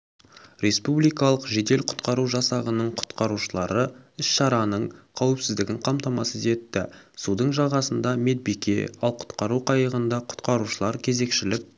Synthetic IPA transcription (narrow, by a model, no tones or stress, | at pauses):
ɾe̞spublijkɑlˠəqʒe̞d̪e̞lqʰʊ̥t̪qɑɾuʒɑsɑʁənəɴqʰʊ̥t̪qɑɾuʃəlˠɑɾəɪsʃɑɾɑnəɴqʰɑwɪpsɪzd̪ɪɡʲɪɴqʰɑmt̪ɑmɑsəze̞t̪ːɪsud̪əɴʒɑʁɑsənd̪ɑme̞d̪̚bikʲe̞̰ɑlˠqʰʊ̥t̪qɑɾuqʰɑjəʁənd̪ɑqʰʊ̥t̪qɑɾuʃəlˠɑɾkʲʰe̞ze̞kʃɪlɪk̚